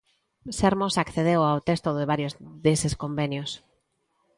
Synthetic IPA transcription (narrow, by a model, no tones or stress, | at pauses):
seɾmosakθeð̞ewawt̪est̪oðɪβ̞aɾjozðeseskombenjos